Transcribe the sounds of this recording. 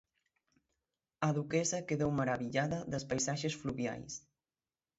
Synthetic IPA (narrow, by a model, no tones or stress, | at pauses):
aðukɛsɐkeðowməɾaβiʎaðɐðəspajsaʒesfluβja̰js